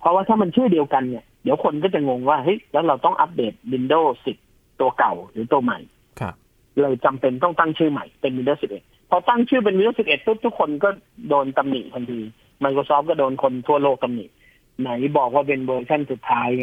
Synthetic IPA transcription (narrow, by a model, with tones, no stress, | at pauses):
pʰɔ˦˥waː˥˩t̪ʰaː˥˩ma˧nt͡ɕʰɯː˥˩di˧əwka˧nːi˧˥˩ɐdi˨˦wkʰo˧nkɔː˥˩t͡ɕa˨˩ŋo˧ŋwaː˥˩hɤ˦˥jlɛː˦˥wɾa˧wt̪ɔ˥˩ŋʔa˦˥p̚deː˨˩t̪̚wi˧ndoː˥˩si˨˩p̪̚ | t̪u˧ɐka˨˩wɾɯː˩˦t̪u˧ɐma̰˨˩j | kʰ | lɤː˧jt͡ɕa˧mpe˧nt̪ɔ˥˩ŋt̪a˥˩ŋt͡ɕʰɯː˥˩ma̰˨˩jpe˧nwi˧ndoː˥˩si˨˩ʔe˨˩t̪̚pʰɔ˧t̪a˥˩ŋt͡ɕʰɯː˥˩p̬e˧nwi˧ndoː˥˩˨si˨˩p̚ʔe˨˩t̪ʰːu˥˩t̪ʰu˦˥kʰːo˧nkɔː˥˩doː˧nt̪a˧mnḭ˨˩ʔt̪ʰa˧nt̪ʰiː˧ | ma˧jkʰoː˧sɔː˦˥p̚kɔː˥˩doː˧nkʰo˧nt̪ʰu˥˩ɐloː˥˩k̚t̪a˧mnḭ˨˩ʔ̪̚ | na˩˦jbɔː˨˩k̚waː˥˩pe˧nwɤː˧t͡ɕʰa˥˩nsu˨˩t̪ʰːaː˦˥j